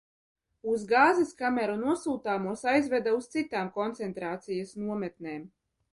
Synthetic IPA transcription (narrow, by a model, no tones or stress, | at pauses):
uzɡaːziskamɛɾunuɔsuːt̪aːmuɔsajzvʲɛd̪aust̪sit̪aːmkɔnt̪sɛnt̪ɾaːt̪sijasnuɔmɛt̪neːm